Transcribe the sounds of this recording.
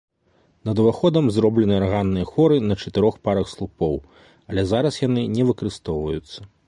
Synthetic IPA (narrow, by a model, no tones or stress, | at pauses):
nɐd̪ɐvaxɔd̪ɐmzɾɔblʲɛnɨarɣanːɨjɐxɔɾɨnɐt͡ʂɐt̪ɨɾɔxpaɾɐxslˠupɔw | ɐlʲɛzaɾɐsjan̪ɨnʲɛvɨkɐɾɨst̪ɔwvɐjut̪sːɐ̥